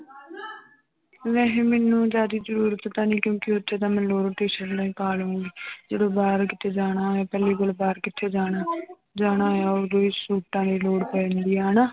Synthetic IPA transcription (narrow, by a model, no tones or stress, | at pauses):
ʋɛ̃ːɦẽːmenːũːd͡ʒaːd̪iːzəɾuːɾət̪t̪ãːnĩːkjõːkɪotːʃʰeːt̪ãːmɛ̃ːloːɾʈ̪iːʃəɾlaːĩːpaːlõːɡiːd͡ʒeːɽoːbaːɾkɪt̪ʰeːd͡ʒaːɽaːaːpɛːliːkolbaːɾkɪt̪ʰːeːd͡ʒaːa | d͡ʒaːñaːaːoːɾd̪oiːsuːʈãːd̪iːloːɽpɛ̃ːnd̪iːãːnaː